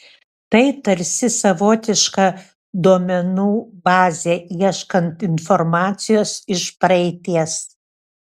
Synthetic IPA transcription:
t̪ɐɪt̪ɐɾʲsʲɪsɐʋoːt̪ʲɪʃkɑː | d̪uɔmʲɛnuːbɑːzʲeːiɛʃkɐnt̪ɪnfɔɾmɑːt̪sʲɪjoːsɪʃpɾɐɛɪt̪ʲiɛs

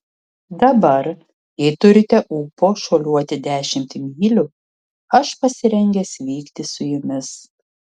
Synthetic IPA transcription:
d̪ɐbɐɾ | jɛɪt̪ʊɾʲɪt̪ʲɛʔuːpoːʃoːlʲuɔt̪ʲɪd̪ʲæːʃʲɪmʲt̪ʲmʲiːlʲʊ | ɐʃpɐsʲɪɾʲɛŋʲɡʲɛsʋʲiːkt̪ʲɪsʊjʊmʲɪs

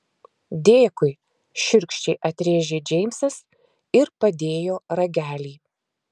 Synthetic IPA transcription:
d̪ʲeːkʊɪ | ʃʲʊɾʲkʃʲt͡ʃʲɛɪʔɐt̪ʲɾʲeːʒʲeːd͡ʒʲɛɪmʲsɐs | ɪɾpɐd̪ʲeːjoːɾɐɡʲæːlʲiː

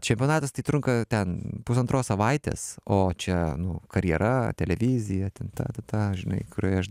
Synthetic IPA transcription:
t͡ʃʲɛmʲpʲɪonɑːt̪ɐst̪ɐɪt̪ɾʊŋkɐt̪ʲɛnpʊsɐnt̪ɾoːssɐʋɐɪt̪ʲḛːsoːt͡ʃʲɛnʊkɐɾʲjɛɾʔɐt̪ʲɛlʲɛʋʲɪzʲɪjɛt̪ʲɛnt̪ɑ̰ːt̪ɐt̪ɑːʒʲɪnɐ̰ɪkʊɾʲoːjɐʃ

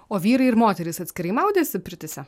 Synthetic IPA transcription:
oːʋʲiːɾɐɪɪɾmoːt̪ʲɛɾʲɪsɐt̪ʲsʲkʲɪɾɐɪmɐˑʊd̪ʲeːsʲɪpʲɪɾʲt̪ʲɪsʲɛ

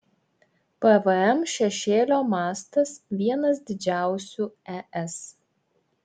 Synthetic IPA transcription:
pɐʋəɛmʃʲɛʃʲeːlʲoːmɑːst̪ɐsʋʲiɛnɐs̬d̪ʲɪd͡ʒʲæˑʊsʲuːɛʔɛs

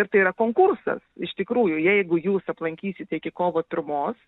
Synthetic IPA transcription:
ɪrt̪ɐɪiɾɐkoːŋkʊrsɐ̰sɪʃt̪ʲɪkɾuːjʊjɛɪɡʊjuːsɐplˠɐŋʲkʲiːsʲɪt̪ʲɛɪkʲɪkoːʋot̪ɾʊmoːs

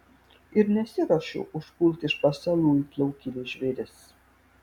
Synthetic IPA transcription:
ɪɾnʲɛsʲɪɾɐʃʊ̰ʔʊʃpʊlˠʲt̪ʲɪʃpɐsɐlˠuːit̪lˠɐʊkʲilʲeːʒʲʋʲeɾʲɪs

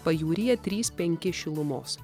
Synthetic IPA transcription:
pɐjuːɾʲɪjɛt̪ʲɾʲiːspʲɛŋʲkʲɪʃʲɪlˠʊmo̰ːs

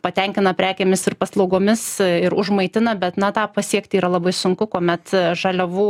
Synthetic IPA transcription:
pɐt̪ʲɛŋʲkʲɪnɐpʲɾʲæːkʲeːmʲɪsɪrpɐslˠɐʊɡoːmʲɪsɪɾʊʒmɐɪt̪ʲɪnɐbʲɛt̪nɐt̪ɑːpɑsʲiɛkt̪ʲɪiːɾɐlˠɐbɐɪsʊŋkʊkoːmʲɛt̪ʒɐlʲɛʋuː

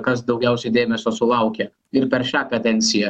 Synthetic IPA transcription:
kɐs̬d̪ɒʊɡʲɛʊsʲɛɪd̪ʲeːmʲɛsʲoːsʊlˠɐʊkʲɛ | ɪɾpʲɛɾʃʲæːkɐd̪ʲɛnʲt̪sʲɪjɛ

